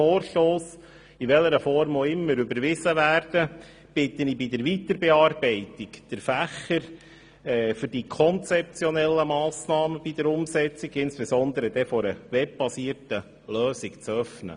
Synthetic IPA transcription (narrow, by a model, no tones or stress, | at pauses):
oːrʃtoːs | iʋɛləɾəfɔɾmoɪmːəɾybəɾʋɪzəʋæːɾd̥ə | b̥ɪt̪ənibid̪əɾʋitəɾbɛɑːrb̥ɛɪtikd̥əɾfæχəɾ | ɛːfʏɾdikʰɔnt͡sɛp̚t͡sjɔnɛlːəmɑːsnɑːməb̥id̥̪əɾʊmsɛt͡siɡɪnsb̥ɛsɔnd̪əɾəd̥̪ɛfɔɾəʋɛb̚b̥ɑsiːətə | løːsikt͡sœfnə̰